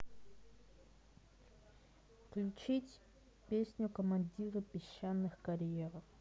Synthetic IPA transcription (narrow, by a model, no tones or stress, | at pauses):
fklʲut͡ɕitʲ | pʲesʲnʲʊkəmɐnʲdʲiɾɨpʲɪɕːanːɨxkɐɾʲjeɾə